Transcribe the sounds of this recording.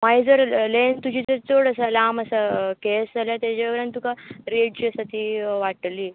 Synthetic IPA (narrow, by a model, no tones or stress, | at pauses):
maid͡zəɾlent̪ud͡ʑiːd͡zəɾt͡sʰoɽəsalaməsəkesd͡zaljat̪jat͡ɕaʋəɡɽãnt̪ukaɾeɖ̚t͡ɕiəsat̪iʋaʈliː